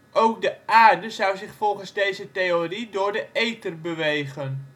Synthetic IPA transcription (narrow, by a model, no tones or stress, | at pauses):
ʔowk̚dəaːrdəzʌwzɪχfɔlˠχənzdejzətejoridʊːɹdəʔejtərbəʋejɣən